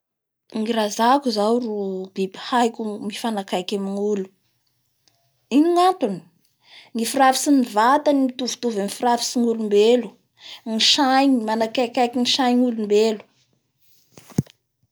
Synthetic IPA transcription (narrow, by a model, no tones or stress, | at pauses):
ŋiɾazakuzawrub̥ibi̥hajkʲumifanakajkʲamiŋulu̥ | iniŋant̪uni̥ | ŋifirafi̥sinivat̪animit̪uvu̥t̪uvamifirafi̥siŋulumbelu̥ | ŋiʃajɲimanakajkʲajkiniʃajɲulumbelu̥